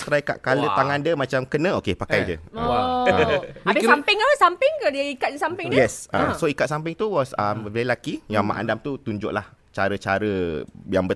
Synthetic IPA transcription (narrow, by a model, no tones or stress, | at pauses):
st̪ɾajka̰ʔkalət̪aŋãndəmãt͡ʃamkənə̃okepakajd͡ʒə̰ | abɪsampɪŋəsampɪŋkədiəikat̚dəsampɪŋjɛsʔa̰soikat̪̚sampɪŋt̪uwɔsəməvɛɾilakijaŋma̰ʔã̰ndamt̪ut̪uɲd͡ʒʊʔlah | t͡ʃaɾət͡ʃaɾəjaŋbə